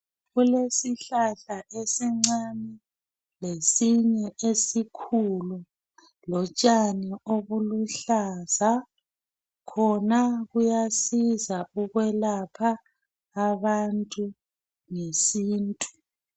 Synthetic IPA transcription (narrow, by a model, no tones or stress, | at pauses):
ɣulesiɬaɬaʔesiŋ͡ǀani | lesiɲɛʔesikʰulu | lɔt͡ʃʼanioβuluɬaza | kʰɔnaɣujasizauɣwɛlapʰaː | βantʼu | ŋesiːntʼu̥